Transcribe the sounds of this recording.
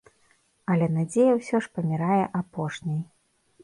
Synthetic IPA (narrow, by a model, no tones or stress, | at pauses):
ɐlʲɛnad͡zʲejɐwsʲɔʂpɐmʲiɾajɛʔapɔʂnʲɐj